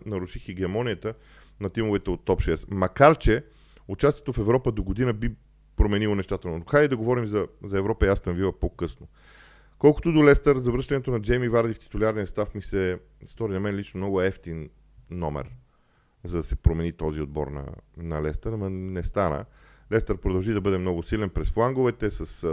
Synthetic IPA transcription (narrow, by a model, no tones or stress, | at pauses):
nɐɾuʃixiɡɛɐmɔnʲijət̪ə | nɐt̪imʊvɛt̪ɛot̪ːɔpʃɛsmɐkaɾt͡ʃɛ | ʊt͡ʃast̪ijɛt̪ofɛvɾɔpəd̪oɡod̪inəbi | pɾomɛnilˠonɛʃt̪at̪ɛlnonoxajɛd̪ɐɡovɔɾimzɐzɐɛvɾɔpəiast̪ɐmvivəpokɤsno | kɔlˠko̥t̪od̪olɛst̪əɾzɐvɾɤʃt̪ɐnɛt̪onɐd͡ʒɛjmivaɾd̪ift̪i̥t̪uliaɾnist̪afmisɛ | st̪ɔɾinɐmɛnlit͡ʃnomnɔɡʊɛft̪inː | ɔmɛ̰ɾ | zɐd̪ɐsɛpɾomɛnit̪ɔziod̪̚bɔ̰ɾnɐ̰nɐlɛst̪əɾmɐnɛst̪anə̰ | lɛst̪əɾpɾod̪ɐlˠʒid̪ɐbɤd̪ɛmnɔɡʊsilɛnpɾɛsflˠaŋɡovɛt̪ɛsɐs